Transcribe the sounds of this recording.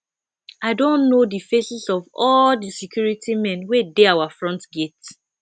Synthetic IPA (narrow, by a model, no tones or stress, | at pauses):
aɪdõnnodifesisɔvɔldisɛkjuɹitʰimɛ̃nwedeawafɹɔ̃ntɡet